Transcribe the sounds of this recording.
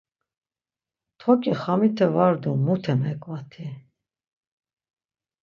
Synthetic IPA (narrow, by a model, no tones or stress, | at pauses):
t̪ʰɔkʼiχamit̪ʰɛvaɾd̪umut̪ʰɛmɛkʼvat̪ʰi